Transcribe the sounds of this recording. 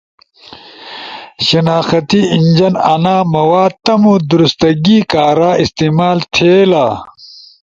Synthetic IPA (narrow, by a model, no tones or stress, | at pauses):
ɕɐnaːxɐt̪iiɲd͡ʑɐnɐnaːmɐwaːt̪ɐmud̪uɾust̪ɐɡiːkaːɾaːist̪iːmaːlt̪ʰeːlaː